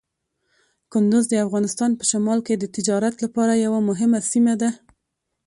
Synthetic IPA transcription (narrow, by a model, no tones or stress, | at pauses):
kʊnd̪ʊzd̪əafɣɑnɪst̪ɑnpə̥ʃamɑlked̪ət̪ɪd͡ʒɑɾat̪lapɑɾajawamʊɦɪmasimad̪a